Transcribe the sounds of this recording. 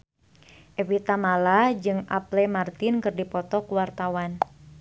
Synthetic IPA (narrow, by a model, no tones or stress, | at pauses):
ʔɛvit̪amalad͡ʒɨŋʔa̰plɛmart̪ɪnkɨrdipɔt̪ɔkuwart̪awan